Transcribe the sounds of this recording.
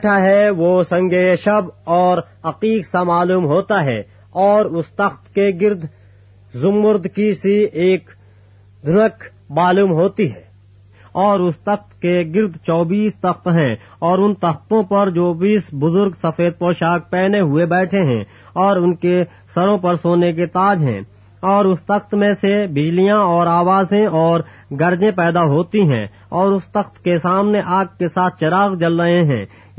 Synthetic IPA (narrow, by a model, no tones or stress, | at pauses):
ɛːʈʰaɦɛʋoːsɐ̃ŋɡeːʃɐbɔːɾ | ɐqiːɡsamaːluːmɦoːt̪aɦɛː | ɔːɾʊst̪ɐxt̪keɡɪɾd̪ | zʊmːʊɾd̪kisiʔeːk | d̪ʱʊnək | maːluːmɦoːt̪iɦɛː | ɔːɾʊst̪ɐxt̪keɡɪɾd̪t͡ʃɔːbiːst̪ɐxt̪ɦɛ̃ː | ɔːɾʊnt̪ɐxt̪õpɐɾd͡ʒoːbiːsbʊzʊɾɡsɐfeːd̪̚pɔːʃaːk̚pɛːneɦʊebɛːʈʰeɦɛ̰̃ | ɔːɾʊnke | sɐɾõpɐɾsoːnek̬et̪aːd͡ʒɦɛ̰̃ː | ɔːɾʊst̪ɐxt̪mẽsebɪd͡ʒlijãɔːɾaːʋaːzẽɔːɾ | ɡɐɾd͡ʒẽpɛːd̪aɦoːt̪iɦɛ̰̃ː | ɔːɾʊst̪ɐxt̪kesaːmneʔaːɡ̚kesaːt̪̚ʰt͡ʃɐɾaːɣd͡ʒɐlɾɐɦẽɦɛ̰̃ː